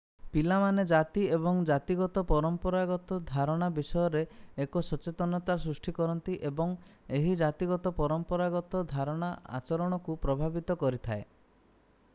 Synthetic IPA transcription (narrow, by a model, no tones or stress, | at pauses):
pilamaned͡ʒat̪iebɔŋd͡ʒat̪iɡɔt̪ɔpɔɾɔmpɔɾaɡɔt̪ɔd̪ʱaɾɔɽ̃abisɔjɔɾeekɔsɔt͡ʃet̪ɔnɔt̪asɾusʈʰikɔɾɔnt̪iʔebɔŋeɦid͡ʒat̪iɡɔt̪ɔpɔɾɔmpɔɾaɡɔt̪ɔd̪ʱaɾɔɽ̃aa̰t͡ʃɔɾɔɽ̃ɔkupɾɔbʱabit̪ɔkɔɾit̪ʰae